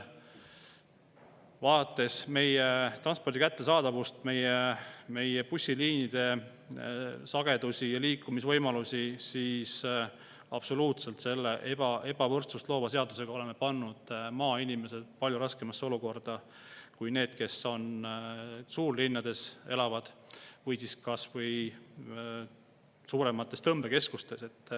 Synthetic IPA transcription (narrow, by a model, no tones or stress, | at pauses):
vɑːɑt̪ːˑe̞sme̞jet̪rɑnspord̪ikæt̪ːe̞sɑːd̪̥ɑvust̪me̞jeme̞jepusʲːiliːnid̪̥e̞ | sɑɡ̥e̞d̪̥usʲijɑliːkːˑumisvɤjmɑlusʲisiːs | ɑb̥so̞luːt̪se̞lt̪se̞lːe̞ʔebɑʔe̞b̥ɑvɤrt̪sust̪lo̞ːvɑse̞ɑd̪̥use̞ɡ̥ɑo̞le̞mːe̞pɑnːud̪̥mɑːinime̞se̞d̪̥̚pɑlʲjuɾɑske̞mɑsːeo̞luko̞rd̪̥ɑ | kujne̞ːd̪̥ke̞so̞n | suːrlinːɑd̪e̞se̞lɑvɑd̪̥vɤjsiskɑsvɤj | suːɾemɑt̪ːˑe̞st̪ɤmb̥e̞ke̞skust̪e̞se̞t̪ːˑ